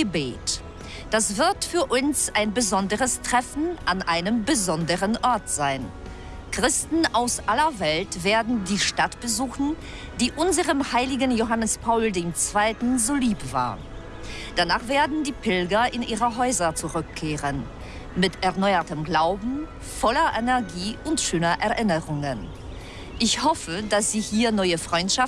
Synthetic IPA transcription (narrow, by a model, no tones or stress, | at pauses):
əbḛːt | d̥asv̥ɪɐtfyːɐʔʊnsaɪnbəzɔndəʁəstʁ̥ɛfn̩ʔanʔaɪnəmbəzɔndəʁənʔɔɐtz̥aɪn | kʁ̥ɪstn̩ʔaʊsʔalɐvɛltv̥eːɐdn̩diːʃtatb̥əzuːxn̩ | d̥iːʔʊnzəʁəmhaɪlɪɡən̩joɦanəspʰaʊldeːmt͡sv̥aɪtn̩zoːliːpv̥a̰ːɐ | d̥anaːχv̥eːɐdn̩diːpʰɪlɡɐʔɪnʔiːʁəɦɔʏzɐt͡suʁʏkʰːeːʁən | mɪtɛɐnɔʏɐtəmɡlaʊbm̩ | fɔlɐʔɛnɛɐɡiːʊntʃøːnɐʔɛɐʔɪnəʁʊŋən | ʔɪçhɔfədasz̥iːhiːɐnɔʏəfʁ̥ɔʏntʃaf